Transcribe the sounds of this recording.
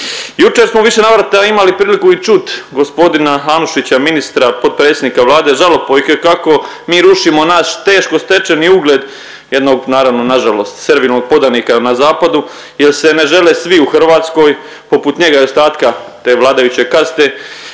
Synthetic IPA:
jut͡ʃe̞ɾsmo̞ʋiʃe̞naʋɾat̪aimalipɾiːlikuit͡ʃut̪ɡo̞spo̞d̪inaɦanuʃit͡ɕaminist̪ɾapo̞d̪̚pɾe̞ːt̪sʲed̪nikaʋlˠaːd̪e̞ʒalopojkekako̞miːɾuʃimo̞nast̪e̞ːʃko̞st̪e̞t͡ʃeniuɡle̞d̪ | jed̪no̞ɡnaːɾaʋno̞naʒalo̞ːst̪seɾʋilno̞ɡ̚po̞d̪anikanazaːpad̪u | jelse̞neʒe̞lesʋiuxr̩ʋaːt̪sko̞ːj | po̞put̪ɲe̞ɡaost̪aːt̪kat̪e̞ːʋlˠaːd̪ajut͡ɕe̞kast̪e̞

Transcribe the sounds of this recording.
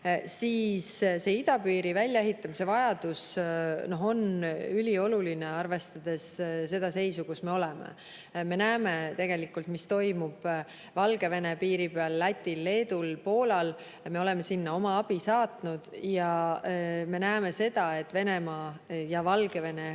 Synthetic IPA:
siːsse̞ːid̪̥ɑpiːɾivælʲjɑeɦit̪ːˑɑmise̞vɑjɑd̪̥usno̞ɦo̞nylʲio̞luline̞ɑrve̞st̪ɑd̪̥e̞sse̞d̪̥ɑse̞jsukusme̞ole̞mḛ | me̞næːme̞t̪e̞ɡ̥e̞likːˑult̪mist̪o̞jmub̥ | vɑlɡe̞ve̞ne̞piːɾipeɑlːæt̪ʲːilːe̞ːd̪ulpo̞ːlɑl | me̞o̞le̞me̞sinːɑo̞mɑɑb̥isɑːt̪nud̪̥jɑ | me̞næːme̞se̞d̪ɑe̞t̪ːˑve̞ne̞mɑjɑvɑlɡ̥e̞ve̞ne̞

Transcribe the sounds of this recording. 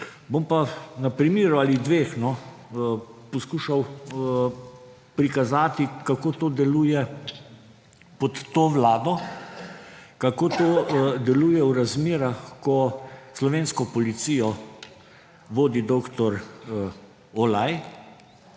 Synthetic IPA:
bompanapɾimiːɾualid̪ʋeːxnɔ | pɔskuːʃaw | pɾikazaːt̪ikakoːt̪oːd̪ɛluːjɛ | pɔt̪ːoːʋlaːd̪ɔ | kakoːt̪oːd̪ɛluːjɛwɾazmeːɾaxkɔslɔʋeːnskɔpɔlit̪sijɔ | ʋoːd̪id̪oːkt̪ɔɾ | ɔlaj

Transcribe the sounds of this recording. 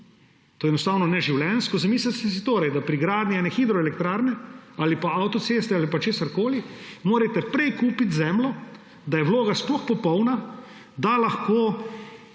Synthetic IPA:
t̪oːɛnɔst̪aːwnɔnɛʒiwlɛnskɔzamiːslast̪ɛs̬it̪oːɾajd̪apɾiɡɾaːd̪nʲianɛxiːd̪ɾɔɛlɛkt̪ɾaːɾnɛaːlipaawt̪ɔt̪seːst̪ɛalipat͡ʃeːsaɾkoːlimoːɾajt̪ɛpɾɛjkuːpit̪zɛmlɔ | d̪ajɛʋloːɡasplɔxpɔpɔwna | d̪alaxkoː

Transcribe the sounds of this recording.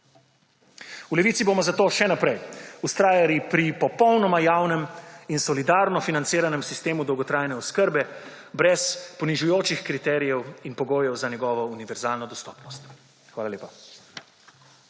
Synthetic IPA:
ulɛʋiːt̪sibomɔzat̪oːʃɛnapɾɛjust̪ɾaːjalipɾipɔpɔwnɔmajawnɛminsɔlid̪aːɾnɔfinant̪siːɾanɛmsist̪eːmud̪ɔwɡɔt̪ɾaːjnɛɔskəɾbɛ | bɾɛspɔniʒujoːt͡ʃixkɾit̪ɛːɾijɛwinpɔɡoːjɛwzanjɛɡɔːʋɔuniʋɛɾzaːlnɔd̪ɔst̪ɔːpnɔst̪ | xʋaːlaleːpa

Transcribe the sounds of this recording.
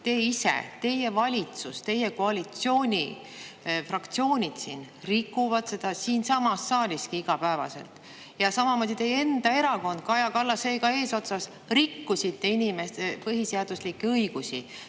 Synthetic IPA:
t̪e̞ːisḛt̪e̞jevɑlʲit̪sust̪e̞jeko̞ɑlʲit̪sio̞ːnʲi | frɑkt̪sio̞ːnʲid̪̥sin | rikːˑuvɑd̪̥se̞d̪̥ɑsiːnsɑmɑsːɑːlʲiskiiɡ̥ɑpæevɑ̰se̞̰lt̪ˑ | jɑsɑmɑmo̞ːd̪it̪e̞je̞nd̪ɑe̞ɾɑko̞nd̪̥̚kɑjɑkɑlːɑseːkɑe̞ːso̞t̪sɑs | rikːusit̪ːe̞inʲime̞st̪epɤɦiseɑd̪̥uslikːɤiɡ̥usi

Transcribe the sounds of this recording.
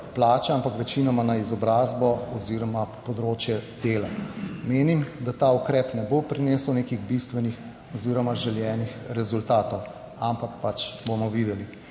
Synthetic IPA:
plaːt͡ʃɛampakʋɛt͡ʃinɔmanaizɔbɾaːzbɔɔziɾɔmapɔd̪ɾoːt͡ʃjɛd̪̥elameːnimd̪at̪aukɾɛːpnɛbopɾineːsəwnekiɣbist̪ʋɛnix | ɔziːɾɔmaʒɛljɛːnixɾɛzult̪aːt̪ɔw | ampakpat͡ʃbomɔʋid̪ɛli

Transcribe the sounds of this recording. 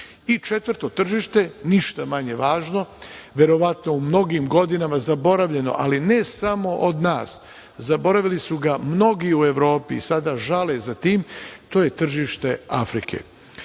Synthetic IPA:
it͡ʃe̞t̪ʋɾt̪o̞t̪r̩ʒiːʃt̪e̞niʃt̪amaɲe̞ʋaːʒno̞ʋʲje̞ɾo̞ʋat̪no̞umno̞ɡiːmɡo̞d̪inamazabo̞ɾaʋʎe̞no̞̰ʔaline̞samo̞ʔod̪naːs | zabo̞ɾaʋilisuɡamno̞ɡiue̞ʋɾo̞ːpḭːsad̪aʒalezat̪iːmt̪o̞ːje̞t̪r̩ʒiʃt̪e̞afɾikʰḛ

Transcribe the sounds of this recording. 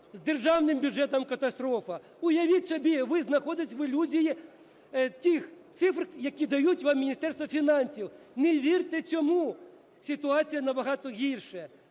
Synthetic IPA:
zd̪erʒɑwnɪmbʲud͡ʒɛt̪ɐmkɐt̪ɐst̪ɾɔfɐ | ʊjɐʋʲitʲsɔbʲiʋɪznɐxɔd̪ɪsʲʋɪlʲuzʲiji | t̪ʲɪxt̪sɪfrjɐkʲid̪ɐjutʲʋɑmːʲinʲist̪ɛrst̪ʋɐfʲinɑnʲsʲiwneʋʲirt̪ɪt͡sʲɔmu | sʲɪt̪ʊɑt͡sʲijɐnɐbɐɦɑt̪ɔɣʲirʃɛ

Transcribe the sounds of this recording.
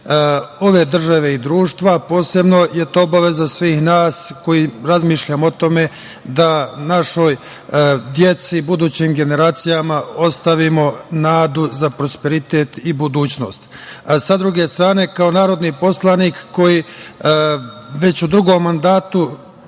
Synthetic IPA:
o̞ʋe̞d̪r̩ʒaʋe̞id̪ɾuːʃt̪ʋapo̞ːse̞bno̞jet̪oobaʋe̞zasʋiːxnaːsko̞jiɾazmiːʃʎamoot̪o̞me̞ | d̪anaʃo̞j | d̪je̞t̪sibud̪uːt͡ɕimɡe̞ne̞ɾaːt̪sijamao̞st̪aʋimo̞naːd̪uzapɾo̞spe̞ɾit̪e̞ːt̪ibud̪uːt͡ɕno̞̰ːst̪sad̪ɾuɡe̞st̪ɾaːne̞kao̞naːɾo̞d̪nipo̞slˠanikːo̞ji | ʋe̞t͡ɕud̪ɾuɡo̞mːand̪aːt̪u

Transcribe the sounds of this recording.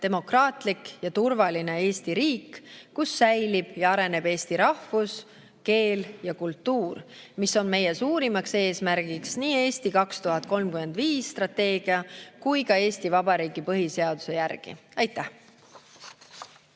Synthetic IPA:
t̪e̞mo̞krɑːt̪likjɑt̪urvɑline̞e̞ːst̪iɾiːkːusːæjlib̥jɑɑɾe̞ne̞be̞ːst̪iɾɑhfus | ke̞ːljɑkult̪ːuːr | miso̞nme̞je̞suːɾimɑkse̞ːsmæɾɡ̥iksniːe̞ːst̪ikɑkst̪uɦɑt̪̚ko̞lmkyme̞nd̪viːsːt̪rɑt̪e̞ːɡ̥iɑkujkɑe̞ːst̪ivɑb̥ɑɾiːɡ̥ipɤɦise̞ɑd̪̥use̞jærɡ̥ḭɑjt̪ːˑæh

